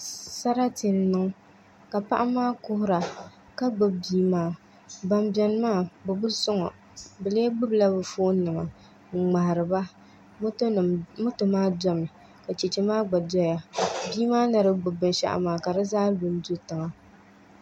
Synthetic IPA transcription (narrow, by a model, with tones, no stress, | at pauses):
sa˦ɾa˦ti˨n˨nɨ˦ŋ˦ | ka˨pa̰˦ʔa˦maː˦kʊ˦hʊ˦ɾa˨ | ka˦ɡ͡bʊ˦bbiː˦maː˦˨ | ba˨mbɛ˨n˦maː˦˨bʊ˨bʊ˦sʊ˦ŋɔ̰˨ | bɨ˨leː˦ɡ͡bʊ˦bla˦bɨ˨foː˦nɨ˨ŋa̰˨ | ŋ͡ma˨ɾɨ˨ba˦˨ | mʊ˦to˨maː˦dɔ˦mɨ˨ | ka˨t͡ʃɛ˨t͡ʃɛ˦maː˦ɡ͡ba˨dɔ˦ja˦biː˦maː˦na˨ɾɨ˦ɡ͡bʊ˨bɨ˨nʃa̰˨ʔmaː˨ka˨dɨ˦zaː˦bʊ˨n˦du˦tɨ˨ŋa˨